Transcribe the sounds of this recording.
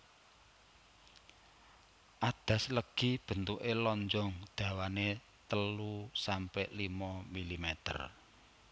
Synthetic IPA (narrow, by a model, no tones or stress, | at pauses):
ʔad̪̥ä̤sləɡ̥ib̥ə̤nt̪uʔelɔɲd͡ʒɔŋd̪̥ä̤wane | t̪əlusampɛʔlimɔmilimɛt̪ə̰r